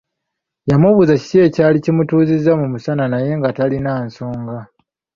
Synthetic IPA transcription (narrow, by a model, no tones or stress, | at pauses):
jamuβuzaci̥te̞ːcaːlicimutuːzizːamumusananaje̞ŋɡatalinaːnso̞ːŋɡa